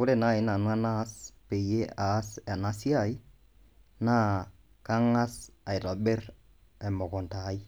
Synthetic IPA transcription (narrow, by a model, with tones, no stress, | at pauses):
ʊ˦ɾe˨na˦˨ɪ˦na˨nwa˦na˦spe˨je˦aː˨˦sa˨na˦si˦a˦˨ɪ˦ | na˦ | ka˦ŋa˦sa˨ɪ˨tɔ˨be˦r | ɛ˨mɔ˨kɔ˨nta˨˦ɪ˦